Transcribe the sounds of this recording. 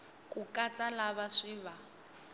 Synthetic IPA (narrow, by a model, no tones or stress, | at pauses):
kʼukʼat͡sʼalaβaʂiːβa